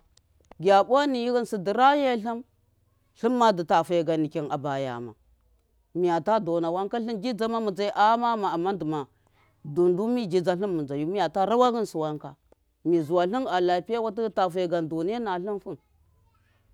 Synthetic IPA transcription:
ɡʲa˨ɓʷa˦ni˨ji˦ɣə˦nsi˨di˨ɾa˦je˦ɬi˦m | ɬi˦mːa˦di˨ta˨fa˨ɡa˨ni˨ki˨na̰˨ba˨ja̰˨ma̰˨ | mi˨ja˨ta˦do˨na˨wa˦ŋka˦ɬi˦nd͡ʒi˦d͡za˦ma˦mu˨d͡za˦i˦ʔa˦ma˦ma˨a˨mːa˦ndi˨ma˨ | du˨ndu˦mi˦d͡ʒi˨d͡za˦ɬi˦mːu˨d͡za˨ju˦mi˦ja˨ta˦ɾa˦wa˦ɣi˦nsu˨wa˦ŋka˨ | mi˨zu˨wa˨ɬi˦na˨la˨pi˦ja˦wa˦ti˦ta˨fa˨ɡa˨ndu˨ni˦a˦na˨ɬi˦nfu˦n

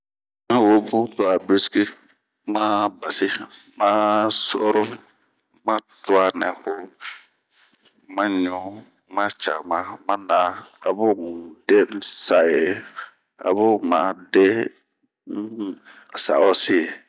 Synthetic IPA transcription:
a˦wo˦bu˦tʊ˨a˨be˦ski˦ | ma˦ba˨sɪ˦ | ma˦sɔ̰˦ɾʊ˦ | mã˦tʊ˦a˦nɛ˨hʊ˦ | mã˦ɲu˦ | ma˦t͡ʃa̰˨mã˦mã˦na˦a˨bʊ˦˨de˦n̩˦sa˨je˨ | a̰˨bʊ˦ma˨˦de˦ | a˨sa̰˨ɔ˦si˦˨

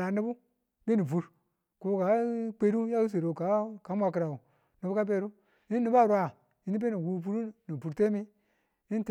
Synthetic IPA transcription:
a˨ni˦bu˦ | ɡe˦ni˨vu˨ɾ | ko˨˦ka˨˦k͡pe˦ɾu˦ja˦wu˦s̬e˨ɾo˨ka˨˦ka˨˦mʷ˦a˧ki˨ɾa˨u˨ | ni˨bu˦ka˦b̬e˦ɾu˦ | i˦nː˦i˨ba˦˨ɾu˦a˨ | i˦ni˦b̬e˦ni˨wu˦˨vu˦ɾu˦ni˨vu˨ɾte˦mi˦ | i˦n˦t

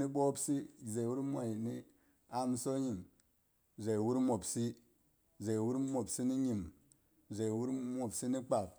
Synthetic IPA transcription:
ni˦ɓo˦bsi˦˨ze˨wu˦ɾmʷa˨ji˨ni˦ | a˦m˦so˦ɲi˨m | ze˨wu˦ɾmo˨bsi˦ | ze˨wu˦ɾmo˨bsi˦ni˦ɲi˨m | ze˨wu˦ɾmo˨bsi˦ni˦k͡pa˨p̚

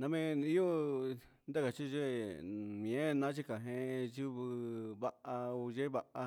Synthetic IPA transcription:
nã˧mẽ˦˧nĩ˦o˦ | nd̪a˦ka˨t͡ʃi˦˧ʒe˦mĩ˨ẽ˦˧nã˦t͡ʃi˦ka˨ɦẽ˧ju˦βɨ˧βa˧ʔa˧u˧ʒe˦βa˧ʔa˧

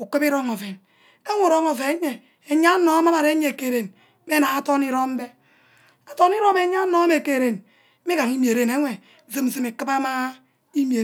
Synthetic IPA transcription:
u˨ki˦bi˦ɾo˦ŋo˨ve˨n | e˦ŋu˦˨ɾo˦ŋo˨ve˨˦ɲe˨ | e˨ɲa˦no˦ma˦ma˨ɾe˨˦ɲe˨ke˨ɾe˨n | me˦na˨a˦to˦ni˦ɾo˦m˦be˦ | a˨to˦ni˦ɾo˦me˨ɲa˦no˦me˨ke˨ɾe˨n˦ | mi˦ka˨ŋi˦m˨e˨ɾe˨ne˦ŋʷe˨ | zi˦m˨zi˨me˨kɨ˦ba˦ma˦ | i˦m˦e˨

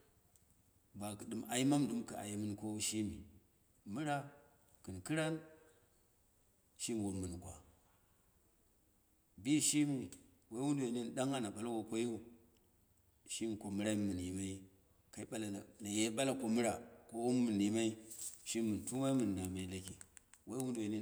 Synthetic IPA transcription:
ba˨kɨ˨dɨ˨ma˨i˦ma˦mdu˨˦mka˨a̰˨je˨˦mɨ˦n˨ko˦wʃi˦mḭ˨ | mɨ˦ɾa˦ | kɨ˨nkɨ˦ɾa˦n | ʃi˦˨wu˨mːɨ˨n˨ɡʷa̰˨ | bi˦˨ʃi˦mi˨ | wa˦wu˦ndu˨we˨ne˦n˨ɗa˦ŋa˦na˨ɓa˨la˦wo˨kʷo˦ji˦u˨ | ʃi˦m˨ko˨mu˦ɾa˦mɨ˨n˨i˨ma˦i˦ | ka˦i˦ɓa˦la˨a˨na˨je˦ɓa˦la˨ko˦mɨ˦ɾa˨ko˦wu˦mmɨ˨ni˨ma˦i˦ʃi˦mɨ˨n˨tu˦wa˦i˦mɨ˨nː˨a˨ma˨i˦la˦ki˨wa˦i˦wu˦du˨we˨ni˦

